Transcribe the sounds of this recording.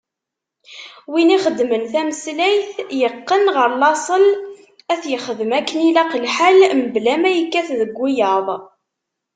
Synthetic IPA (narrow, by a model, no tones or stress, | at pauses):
winiχəd̪ːmənθæməslæjθjəqːənʁəɾlɑsˤəl | æθjəχəðəmækːənilæqlħalməblæmæjəkːæθðəɡʷːijɑðˤ